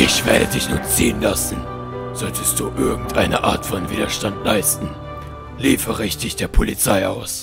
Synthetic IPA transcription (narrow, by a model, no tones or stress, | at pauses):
ʔɪçv̥ḛɐdədɪçnʊ̰ːt͡siːənlasn̩ | z̥ɔltʰəst̚d̥uːʔɪɐɡŋ̩tʔa̰ɪnəʔaːɐtfɔnviːdɐʃtantlaɪstn̩ | liːfəʁɪçt̚d̥ɪçd̥eːɐpʰolit͡saɪʔa̰ʊs